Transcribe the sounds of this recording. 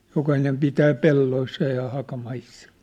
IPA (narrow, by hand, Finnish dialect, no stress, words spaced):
jokɑhinem pitæː pelːoisːɑ jɑ hɑkɑmɑisːɑ